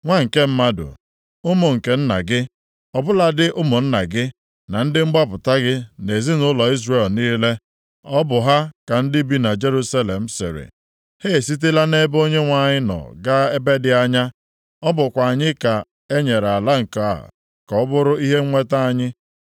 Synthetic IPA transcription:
ŋʷa˦ŋ̩˨ke˦m̩˦ma˦dʊ̰˨ | ʊ˦mʊ˨ŋ̩˨ke˨n̩˦na̰˨ɡɪ˦ | ɔ˨bʊ˦la˨dɪ˦ʔʊ˦mʊ˨n̩˦na˨ɡɪ˦ | na˨n̩˦dɪ˦ŋ͡m̩˦ɡ͡ba˦pʊ˨ta˦ɡɪ˦ne˨zi˦nʊ˦lɔ˨i˦zre˨lniː˦le˦ | ɔ˦bʊ˨ɦa˦ka˨n̩˦dɪ˦bi˦na˨d͡ʒe˦ɾu˦sa˦le˨m̩˦sɪ̰˨ɾɪ̰˨ | he˦˨si˦t̬e˦la˦ne˦bo˦ɲe˦ŋʷa˨ɲɪ˦nɔ̰˨ɡa˦e˦be˦dɪ˨a˦ɲa˦ | ɔ˦bʊ˨kʷa˨ɲɪ˦ka˨ | e˦ɲe˨ɾa˨la˦ŋ̩˨ka̰˨ | kɔ˦bʊ˦ɾʊ˦i˦ɦe˦ŋʷe˦ta˦a˦ɲɪ˦

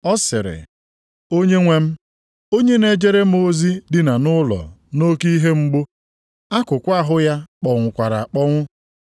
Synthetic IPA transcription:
ɔ˦sɪ˨ɾɪ̰˨ | o˦ɲe˦ŋʷe˦m̩˦ | o˦ɲe˦ne˦d͡ʒe˦ɾe˦m̩˦o˦zi˦dɪ˨na˨nʊ˦lɔ̰˨no˦ki˦ɦe˦ŋ͡m̩˦ɡ͡bo˦ | a˦kʊ˨kʷa˦ɦʊ˦ja˦k͡pɔ˨ŋʷʊ˨kʷa˨ɾa̰˨k͡pɔ˦ŋʷʊ˦

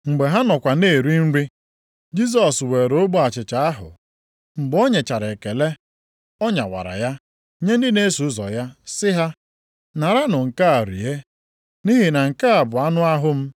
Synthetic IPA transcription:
ŋ͡m̩˨ɡ͡be˨ɦa˦nɔ˨kʷa˨ne˦˨ɾi˦n̩˦ɾi˦ | d͡ʒi˦s̬ɔ˨swe˨ɾo˦ɡ͡bo˦a˨t͡ʃɪ˨t͡ʃa˨a˦ɦʊ̰˨ | ŋ͡m̩˨ɡ͡bo˦ɲe˨t͡ʃa˨ɾe˨ke˨le˦ | ɔ˦ɲa̰˨wa̰˨ɾa̰˨ja˦ | ɲe˦n̩˦dɪ˦ne˦su˨˦zɔ̰˨ja˦sɪ˦ɦa˦ | na˨ɾa˦nʊ˨ŋ̩˨ka˦a˨ɾḭ˨e˦ | ni˦ɦi˨na˨ŋ̩˨ka˦a˨bʊ˨a˦nʊ˦a˦ɦʊ˦m̩˦

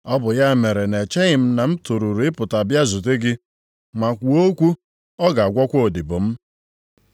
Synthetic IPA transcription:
ɔ˦bʊ˨ja˦˨me˨ɾe˨ne˨t͡ʃe˦ɲɪ˨m̩˦na˨m̩˦tu˨ɾu˨ɾu˨ɪ˦pʊ˨ta˨bja˦zu˨t̬e˦ɡɪ˦ | ma˨kʷu˨o˦kʷu˦ | ɔ˦ɡa˨a˨ɡʷɔ˦kʷo˦o˨dɪ˨bʊ˨m̩˦

